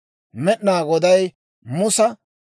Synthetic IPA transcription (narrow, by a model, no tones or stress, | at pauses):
mɛɗnaːɡɔd̪ɐj | mʊsɐ